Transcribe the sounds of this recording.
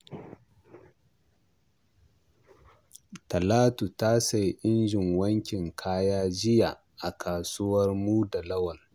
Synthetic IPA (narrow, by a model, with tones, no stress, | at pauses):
tɐ˨laː˦tu˨ta˦sa˨jʔɪ˦nd͡ʒɪ˨ŋwɐ˦ŋkʲɪ˨ŋkʰaː˦jaː˦d͡ʒɪ˦ja˨ | ʔa˨kʰaː˨suː˦wɐ˦rmuː˦da˨lɐ˦wɐ˨l